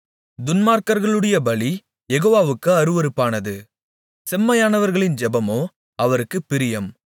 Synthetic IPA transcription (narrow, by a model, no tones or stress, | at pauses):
d̪ʊnmaːɾkɐɾɣɐɭɯɽɐjɐbɐɭi | jɛɣoːʋaːʋɯkːɯɐɾɯʋɐɾɯpːaːnɐðɯ | sɛmːɐjaːnɐʋɐɾɣɐɭɪnd͡ʒɛbɐmoː | ɐʋɐɾɯkːɯpːɪɾɪjɐm